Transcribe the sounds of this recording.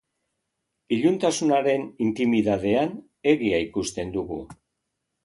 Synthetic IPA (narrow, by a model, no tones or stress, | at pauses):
iʎunt̪asunaɾe̞nint̪imiðaðe̞an | e̞ɣiaikust̪e̞nd̪uɣṵ